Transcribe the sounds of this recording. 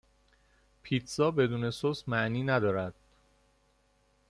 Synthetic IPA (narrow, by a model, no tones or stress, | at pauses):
pʰiːt̪ʰsɒːbe̞d̪uːne̞sosmæʔniːnæd̪ɒːɾæd̪̥